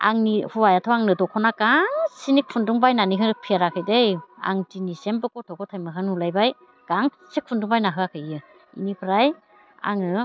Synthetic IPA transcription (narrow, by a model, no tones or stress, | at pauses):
a̰ŋnihuwajatʰɔaŋnɯdɔkʰɔnakaŋsinik̚pʰunduŋbajnanikʰɯɾɯpʰiaɾakʰɯjdeja̰ŋtinisembɯkɔtʰɔkʰɔtʰajmɯkʰɯnhulajbaj | ɡ̥aŋ | sik̚pʰunduŋbajnaɦɯakʰɯjɯ | ḭnipʰɾaj | a̰ŋɯ